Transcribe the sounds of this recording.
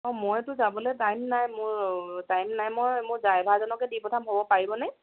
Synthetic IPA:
ɔmɔjtʊzabɔlɔɛjtajmnajmʊɹtajmnajmɔjmʊɹzajbʱazɔnɔkɛdipɔtʰamɦobɔpaɹibɔnaj

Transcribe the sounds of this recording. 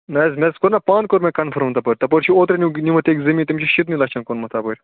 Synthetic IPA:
nɐzmʲeskoɾnɐpaːnkoɾmekɐnfʰɐɾmt̪ɐpəɾʲt̪ɐpɐɾt͡ʃʰioːt̪ɾenʲinʲimɐt̪eːkzɐmʲiːt̪imʲt͡ʃʰiʃit̪nʲilɐt͡ʃʰɐnkonmɐt̪ʰaːpəɾʲ

